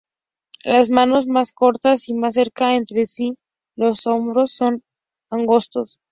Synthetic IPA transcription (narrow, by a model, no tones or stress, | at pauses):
lazmano̞zmasko̞ɾt̪asimasːeɾkae̞nt̪ɾe̞si | lo̞so̞mbɾo̞sːo̞n | aŋɡo̞st̪o̞s